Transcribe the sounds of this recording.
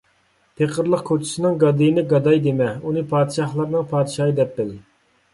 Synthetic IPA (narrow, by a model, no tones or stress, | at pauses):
pʰeqʰəɾlˠəqkʰot͡ʃʰi̥sɨnɨŋɡɑd̪ɨjinɪɡɑd̪ɑjd̪emɛunɨpʰɑːd̪ɨʃɑχlˠɑɾnɨŋpʰɑːd̪ɪʃɑɨd̪ɛp̚bɪl